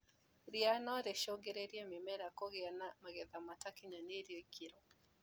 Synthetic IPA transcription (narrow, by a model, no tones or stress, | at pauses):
ɾianɔɾeʃoɡeɾeɾiɛmemɛɾakoɣeanamaɣɛðamatakinaneɾioikiɾɔ